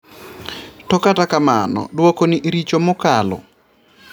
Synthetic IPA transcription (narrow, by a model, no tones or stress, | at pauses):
tɔkatakamanɔ̰dwokoniʔiɾit͡ʃomokalɔ̰